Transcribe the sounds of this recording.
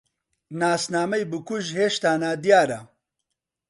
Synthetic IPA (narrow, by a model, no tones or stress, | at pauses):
naːsnaːmɐjbɨkuʒɦeːʃt̪aːnaːd̪jaːɾa